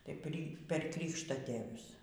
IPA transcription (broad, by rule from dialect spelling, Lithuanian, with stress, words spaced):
tɐɪ pʲrʲɪ pʲɛr ˈkrʲiːkʃtɐtʲeːʋʲʊs